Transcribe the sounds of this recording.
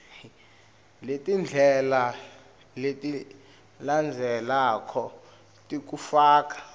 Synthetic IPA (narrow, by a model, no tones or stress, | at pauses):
letʼind͡ɮʱɛla | letʼi | land͡zʱɛlakʰɔ | tʼik̬ufaːkḁ